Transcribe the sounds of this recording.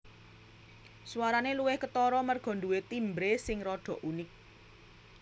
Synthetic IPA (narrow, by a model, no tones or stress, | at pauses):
suwaɾaneluwɪhkət̪ɔɾɔmərɡ̥ɔ̤nd̪uwet̪imbɾesɪŋrɔɖ̪̥ɔ̤ʔunɪk̚